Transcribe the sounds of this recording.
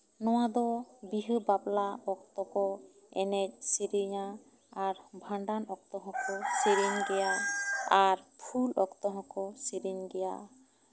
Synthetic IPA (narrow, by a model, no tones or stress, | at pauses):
nɔwad̪ɔbiɦəbaplaɔkt̪ɔkɔ | ɛnɛc̚siɾiɲa | aɾbʱãɳɖanɔkt̪ɔɦɔ̃kɔsiɾiɲɡɛjaaɾpʰulɔkt̪ɔɦɔ̃kɔsiɾiɲɡɛja̰